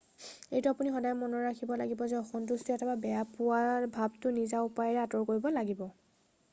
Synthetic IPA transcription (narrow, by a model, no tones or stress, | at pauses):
ejtʊapunixɔdajmɔnɔɹakʰibɔlaɡibɔzɛɔxɔntustiɛtʰɛbabɛjapʊabʱabtʊnizaupajɛɹɛatɔɹkoɹibɔlaɡibɔ